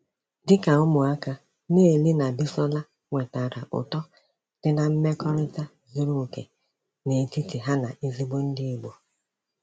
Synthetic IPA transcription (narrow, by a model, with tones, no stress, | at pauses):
dɪ˦ka˨ʊ˦mʊ˨a˦ka˦ | ne˦e˨li˦na˨bi˦sɔ˦la˦ | ŋʷe˨ta˨ɾa˨ʔʊ̰˨tɔ˦ | d̥ɪ˦na˦m̩˦me˦kɔ˦ɾɪ˦ta˦ | zʊ˦ɾu˦˨kḛ˨ | ne˨ti˦ti˨ɦa˦na˨ʔi˦zi˦bo˦n̩˦dɪ˦˨ɡ͡bo˨